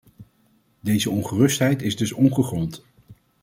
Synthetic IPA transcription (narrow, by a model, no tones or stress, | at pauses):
dejzəɔnχərɵstɦɛjtɪzdɵsɔnχəχrɔnt